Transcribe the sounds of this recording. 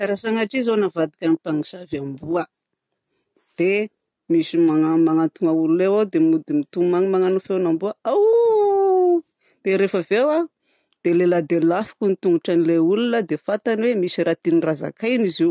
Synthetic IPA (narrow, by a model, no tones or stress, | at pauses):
aɾasaŋaʈ͡ʂizonavad̪i̥kʲanipaŋisavambuə | d̪̥e | misimaŋamaŋant̪uŋaululewawd̪emud̪imit̪umaŋimaŋanufewnambuəaw | d̪̥eɾefəvewa | d̪̥elelad̪elafi̥kunit̪uŋɡuʈ͡ʂanileulunəd̪efat̪anwemisiɾat̪iniraza̰kajniziw